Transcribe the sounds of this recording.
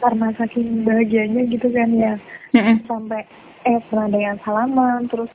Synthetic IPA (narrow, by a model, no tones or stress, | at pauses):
karnasakɪnbaɦaɡiaɲaɡit̪ukanja | sampɛ | ɛt̪̚bəɾadajaŋsalamant̪əɾʊs